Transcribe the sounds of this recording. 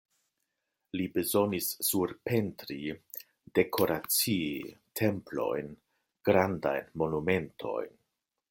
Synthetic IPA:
libezo̞nisːuɾpe̞ntɾi | d̥e̞kʰo̞ɾat͡siitʰe̞mplo̞̰jn | ɡ̥ɾanda̰jnmo̞nume̞ntʰo̞̰jn

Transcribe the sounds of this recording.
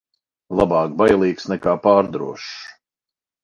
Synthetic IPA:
lˠabɑːk̚bajlˠiːksnɛkaːpaːɾd̪ɾṵɔʃ

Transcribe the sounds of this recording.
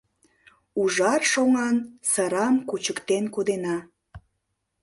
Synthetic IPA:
uʒɑrʃoŋɑnsəɾɑmkut͡ɕəkt̪enkod̪enɑ

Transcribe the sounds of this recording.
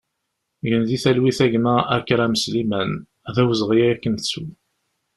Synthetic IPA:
jənðiθælwiθæʝmææ̰kːɾæməslimæn | ðæwəzʁijæækːənsu

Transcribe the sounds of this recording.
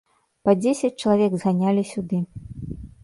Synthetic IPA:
pɐd͡zʲesʲɐt͡sʲt͡ʂɐlˠavʲɛɡzɣanʲalʲisʲud̪ɨ

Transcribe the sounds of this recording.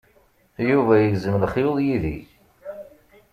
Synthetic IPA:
juvæjəɡzəmlχjoðˤjiðḭ

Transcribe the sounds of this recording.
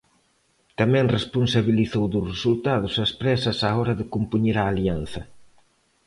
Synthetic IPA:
t̪amɛ̃ŋrespunsaβiliθowðʊsresult̪aðʊsɐspɾɛsɐsaɔɾɐðɪkumpuɲeɾaːlian̟θɐ

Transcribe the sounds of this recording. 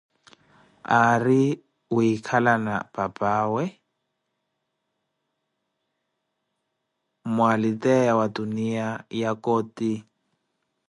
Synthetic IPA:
ari | ʊikʰalana̰pʼapʼaːwɛ | mʊalɪtʼɛjawaduniajakoːti

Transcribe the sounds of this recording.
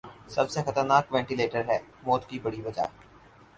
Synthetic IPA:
sɐbsexɐt̪əɾnaːkʋɛ̃ːɳʈɪleːʈəɾɦɛːmoːt̪kibɐɽiʋɐd͡ʒa̰ː

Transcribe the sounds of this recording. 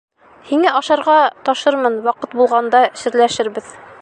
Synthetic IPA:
hiŋæʔɒʃɑɾʁɑt̪ɒʃɤɾmɤnwɑqɤt̪̚bulˠʁɑnd̪ɑɕɘ̆ɾlæʃɘɾbɘð

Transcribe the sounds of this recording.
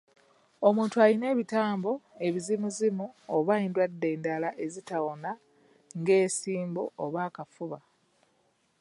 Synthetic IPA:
o̞muːntualine̞ːβitaːmbo̞e̞βizimuzimuoβaeːndwadːe̞ːndalaʔe̞zitawona | ŋɡe̞ːsiːmbo̰oβaːkafuβa

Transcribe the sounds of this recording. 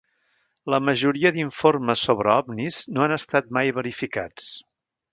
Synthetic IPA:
ləməʒuɾiəðiɱforməsːoβɾəɔbniznoanəst̪at̪̚majβəɾifikat͡s

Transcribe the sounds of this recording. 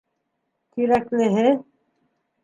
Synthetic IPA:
kiɾakleɦe

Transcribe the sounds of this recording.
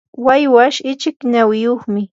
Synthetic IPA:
wajwaʃɪt͡ʃɪkɲawɪjoχmɪ

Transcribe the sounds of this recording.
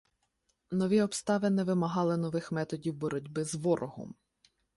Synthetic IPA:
nɔʋʲiɔpst̪ɑʋɪnɛʋɪmɐɦɑlˠɪnɔʋɪxmɛt̪ɔdʲiwbɔɾɔdʲbɪzʋɔɾʔɔɦɔ̰m

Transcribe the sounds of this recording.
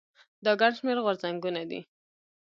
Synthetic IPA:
d̪ɑɡaɳʃmeɾɣwaɾzaŋɡunad̪ḭ

